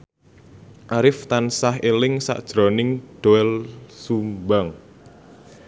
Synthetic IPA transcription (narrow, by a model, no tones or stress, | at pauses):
ʔaɾɪft̪ansahelɪŋsa̰ʔd̥ʒ̥ɾɔnɪŋɖ̥oɛlsumbaŋ